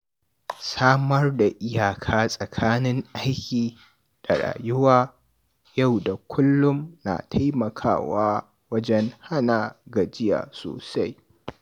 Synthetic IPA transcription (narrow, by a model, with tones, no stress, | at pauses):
saː˦mɐ˦rda˨ʔɪ˦jaː˨kʰaː˦sʼɐ˨kʰaː˦nɪ˦ŋʔa˦jkʲiː˨ | d̥a˨ɽa̰ː˨jʊ˦waː˦ | ja˦˨wda˨kʷʰʊ˦lːʊ˦mna̰ː˨tʰa˦jmɐ˨kʰa̰ː˦waː˦ | wɐ˦d͡ʒɛ˦ŋha˦naː˨ɡa˨d͡ʒɪ˦ja̰ː˨so̰ː˨sa˦j